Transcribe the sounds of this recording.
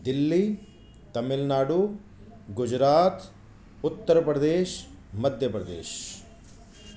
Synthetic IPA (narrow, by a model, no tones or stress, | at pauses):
d̪ilːi | t̪ɐmilnaːɽu | ɡud͡ʒɾaːt̪ | ut̪ːəɾɐpɾɐd̪eːʃ | mɐd̪ʱjɐpɾɐd̪ḛːʃ